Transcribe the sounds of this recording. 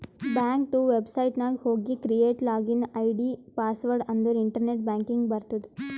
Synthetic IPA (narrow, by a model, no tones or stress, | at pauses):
baːŋk̚t̪uʋebsɐjʈnaːɡhoːɡikɾijeːʈlaːɡinɐjɖipaːsʋɐɾɖɐnd̪uɾiɳʈɐɾneʈ̚bãːŋkiŋɡbɐɾt̪ud̪u̥